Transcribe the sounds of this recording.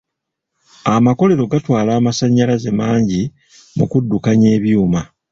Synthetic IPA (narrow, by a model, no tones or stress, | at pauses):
amako̞le̞ɾo̞ɡatwaːlaːmasaɲːalaze̞maːɲɟi | mṵkudːukaɲeːβjuːma